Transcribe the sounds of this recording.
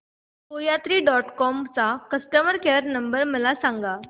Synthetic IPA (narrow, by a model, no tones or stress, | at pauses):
kojat̪ɾiːɖɔʈkɔmt͡sakəsʈəməɾkeɾnəmbəɾməlasãŋɡa